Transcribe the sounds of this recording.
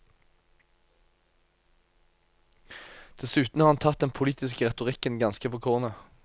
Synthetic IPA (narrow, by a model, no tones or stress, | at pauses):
d̪̥ɛsʉːt̪n̩hɑːʁɑnt̪ʰɑt̪̚d̪ɛnpʰʊliːt̪ɪskəʁɛt̪ʊʁɪkənɡɑnskəpʰoːkʰʊʁnə